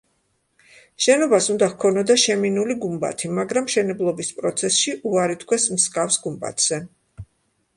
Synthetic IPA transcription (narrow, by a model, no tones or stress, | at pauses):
ʃɛnɔbasund̪ahkʰɔnɔd̪aʃɛminuliɡumba̰t̪ʰimaɡɾamʃɛnɛblˠɔbispʼɾɔt̪sʰɛsʃiʔuaɾit̪ʰkʰwɛsmskʼafsɡumba̰t̪ʰz̥ɛ